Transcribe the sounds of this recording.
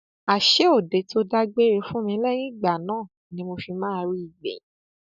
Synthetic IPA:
a˨ʃe˨˦o˦˨de˨to˧da˧ɡ͡be˦ɾe˨˧fũ˦mĩ˧˦lɛ˦j̃ĩ˦˨ɡ͡ba˨nãː˦˨ | nĩ˨˦mo˧fi˧mãː˦˧ɾi˦i˦˨ɡ͡bḛ̃˨˦

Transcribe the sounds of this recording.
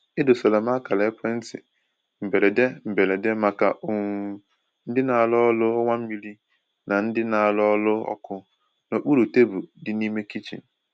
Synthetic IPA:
ɪ˦dʊ˨so˨la˨ma˦ka˨le˨˦pʰɛ˦n̩˦tɪ̰˨ | m̩˨be˨ɾe˨de˦m̩˨be˨le˨de˦ma˨ka̰˨o˨ŋ˨ | n̩˦dɪ˦na˨a˨lʊ˦ɔ˦lʊ˦ɔ˦ŋʷa˦m̩˦mi˦li˦ | na˨n̩˦dɪ˦na˨a˨lʊ˦ɔ˦lʊ˦ɔ̰˦kʊ˦ | no˨k͡pu˦ɾu˨te˦bu˨dɪ˦ni˦me˦ki˦t͡ʃḭ˨

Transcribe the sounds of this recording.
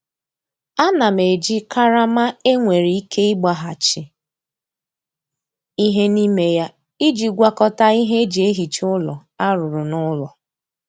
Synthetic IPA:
a˦na˨m̩˨e˨d͡ʒi˦ka˦ɾa˦ma˦e˦ŋʷe˨ɾi˨˦i˦kʰe˦ɪ˦ɡ͡ba˨ɦa˨t͡ʃɪ˨ | i˦ɦe˦ni˦me˦ja˦ | i˦d͡ʒi˨ɡʷa˦kɔ˦ta˦i˦ɦe˦d͡ʒi˨e˦ɦi˨t͡ʃʊ˦lɔ˨a˦ɾʊ˨ɾʊ˨nʊ˦lɔ˨

